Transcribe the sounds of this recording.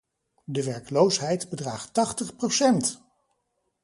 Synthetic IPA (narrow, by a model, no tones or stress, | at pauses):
dəʋɛɹklowsɦɛjtbədraːχtɑχtəχprosɛnt